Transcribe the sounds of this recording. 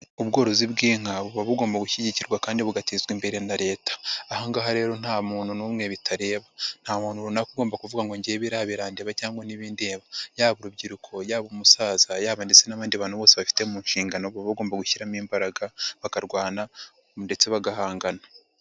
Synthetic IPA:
uβɡo̞ːɾo̞ziβɡiːŋ̥aβuβaβuɡo̞ːmbaɡuçiɟiciɾɡwakaːndiβuɡatizɡwimbe̞ɾe̞naɾe̞ːtḁːhaŋɡaɦaɾe̞ːɾo̞n̥haːmuːn̥hunuːmŋe̞βitʰaɾe̞ːβan̥haːmuːnhuɾunakuɡo̞ːmbakuvuɡaŋɡoɲɟiβiɾahaβiɾaːndeβacaːŋɡwaniβiːnde̞ːβajaːβuɾubɟiɾukʰo̞jaːβumusaːz̥ajaːβaːndit͡se̞naβaːndiβaːn̥huβoːseβafi̥te̞muːnʃiːŋɡano̞βuβaβuɡo̞ːmbaɡuçiɾamiːmbaɾaɡaβakaɾɡwaːna | nde̞t͡se̞βaɡahaːŋɡana

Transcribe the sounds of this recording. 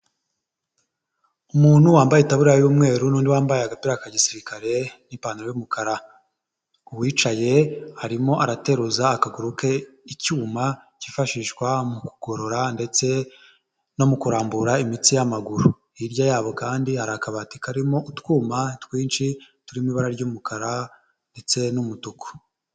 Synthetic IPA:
umuːn̥huwaːmbajetaβuɾajuːmŋe̞ːɾunuːndiwaːmbajeaɡapiɾakaɟisiɾikaɾe̞nimpaːniɾojumukaɾa | uβwiːt͡ʃaje̞haɾimo̞ʔaɾate̞ɾuzaːkaɡuɾuke̞icuːma | cifaʃiʃkwamuku̥ɡ̥o̞ɾo̞ɾande̞t͡se̞ | no̞mukuɾaːmbuɾaimit͡sijamaɡuɾu | iɾɟajaːβo̞kaːndihaɾakaβati̥kʰaɾimo̞ʔutwuːmatwiːnt͡ʃi | tuɾimiβaɾaɾɟumukaɾa | nde̞t͡se̞numutukʰo̥

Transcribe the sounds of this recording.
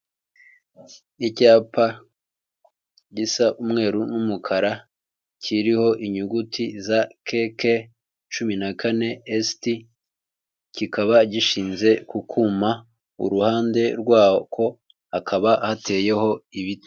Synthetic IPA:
icaːpa | ɟisaʔumŋe̞ːɾunumukʰaɾa | cʰiɾiho̞ʔiɲuɡutʰizakʰeke | t͡ʃuminakane̞esti | cikaβaɟiʃiːnze̞kukʰuma | ṵɾuhaːnde̞ɾɡwaːkʰo̞ | akʰaβahate̞ːje̞ɦo̞iβite

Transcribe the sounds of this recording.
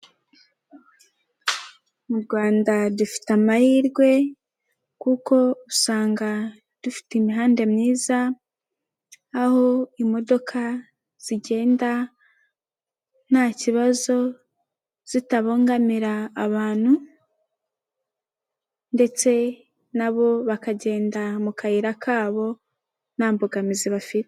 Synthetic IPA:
muɾɡwaːndadufi̥tamahiːɾɡwe̞ | kuko̞usaːŋɡa | d̥ufi̥timiɦaːnde̞mɲiːza | ho̞imo̞do̞kʰa | z̥iɟe̞ːnda | n̥haciβazo̞ | z̥itaβo̞ːŋɡamiɾaːβaːn̥hu | nde̞t͡se̞ | naβo̞βakaɟe̞ːndamukahiɾakʰaːβo̞ | n̥aːmboɡamiziβafit

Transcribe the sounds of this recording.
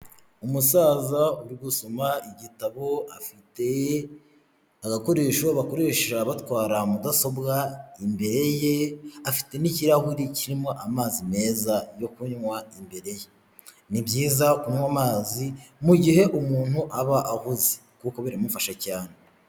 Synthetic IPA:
umusaːzauɾiɡusomaiɟitaβo̞afite | aɡako̞ɾe̞ːʃoβako̞ɾe̞ːʃaβatwaːɾamudaso̞bɡaimbe̞ɾe̞jeafi̥te̞niciɾahuɾiciɾimoʔamaːzime̞ːzajo̞kuɲwaimbe̞ɾe̞je | nibjiːzakuɲwamaːzimuɟiɦe̞ʔumuːn̥huʔaβaʔahuze̥ | kuko̞βiɾimufaʃacaːn̥e

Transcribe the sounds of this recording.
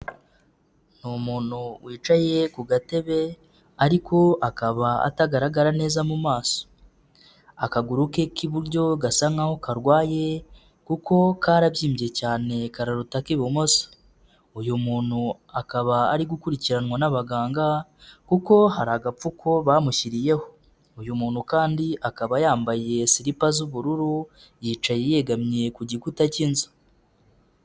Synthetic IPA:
n̥umuːn̥huwʔiːt͡ʃaje̞kuɡate̞βe̞ | aɾiko̞akaβaa̰taɡaɾaɡaɾane̞ːzamumaːso̥ | a̰kaɡuɾuke̞kiβuɾɟo̞ɡasaŋaho̞kaɾɡwaːje̞ | kuko̞kʰaɾaβjiːmbie̞caːne̞kaɾaɾutakiβomo̞sḁ | ujumuːn̥hu | akaβaːɾiɡukuɾiciɾanwanaβaɡaːŋɡakuko̞haɾaɡap͡fukʰo̞βaːmuçiɾije̞ho̞ | ujumuːn̥ukaːndiʔakaβajaːmbaje̞siɾipazuβuɾuɾu | jiːt͡ʃajeje̞ɡamɲe̞kuɟikutacinzu̥

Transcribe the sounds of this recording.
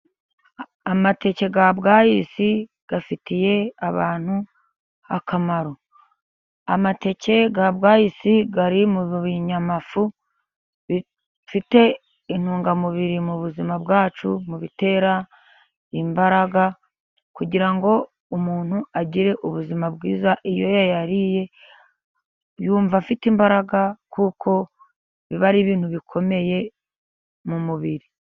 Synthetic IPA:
amate̞ce̞ɡabɡaːjisi | ɡ̥afitije̞aβa̰ːn̥hu | akamaɾo̞ | amate̞ce̞ɡabɡaːjisiɡaɾimuβuβiɲamafu | βi | fite̞ | in̥huːŋɡamuβiɾimuβuzimabɡaːt͡ʃumuβite̞ːɾa | imbaɾaɡa | kuɟiɾaŋɡo̞ | umuːn̥huaɟiɾe̞ʔuβuzimabɡiːzaʔijo̞jajaɾije̞ | βjuːɱvafitimbaɾaɡakukʰo̞ | βiβaɾiβiːn̥huβikʰo̞me̞je̞ | mumuβiɾi

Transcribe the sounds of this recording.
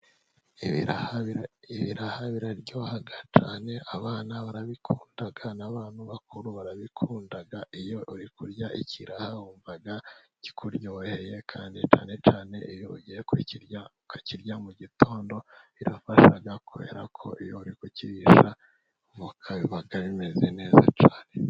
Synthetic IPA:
iβiɾahaβiɾaɾɟo̞ːhaɡat͡ʃaːne̞ʔaβaːnaβaɾaβikʰuːndaɡanaβaːn̥huβakʰuɾuβaɾaβikʰuːndaɡaʔijo̞ʔuɾikuɾjaʔḭciɾʔahauːɱvaɡaci̥kʰuɾɟoːhe̞je̞kʰaːndit͡ʃaːne̞t͡ʃaːne̞ʔijoɟijekiciɾja | kaciɾjamuɟitʰo̞ːndo̞iɾafaʃaɡakʰoβḛɾakʰo̞ʔijouɾikuciɾiʃa | vukʰaβiβaɡaβime̞ze̞ne̞ːza̰t͡ʃaːne

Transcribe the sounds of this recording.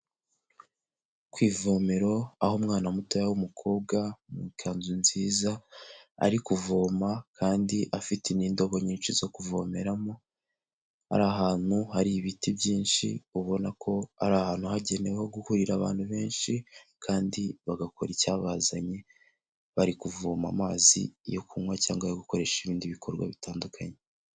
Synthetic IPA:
kwiːvo̞ːmeɾo̞ahomŋaːnamutojawumukʰo̞ːβɡamukʰaːnzunziːzaa̰ɾikuvo̞ːmakaːndiʔafiteniːndo̞βo̞ɲiːnʃizo̞kuvo̞me̞ɾamo | ha̰ɾaɦaːn̥huhaɾiβitibjiːnʃiuβo̞nakʰo̞a̰ɾahaːn̥huhaɟe̞ne̞weho̞ɡuhuɾiɾaβa̰ːn̥huβe̞ːnʃikʰaːndiβaɡakʰo̞̰ɾicaβazaɲe̞ | βaɾikuvoːma̰maːzḭjo̞kʰumwacaːŋɡaiɡuko̞ɾe̞ʃiβiːndiβikʰo̞ɾɡwa̰βitaːndukʰaɲe

